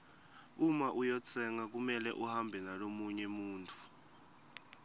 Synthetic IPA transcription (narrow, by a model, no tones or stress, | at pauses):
umaʔujɔt͡sʰɛŋak̬umɛlɛʔuhambʱɛnalomuɲɛmuːntʰu̥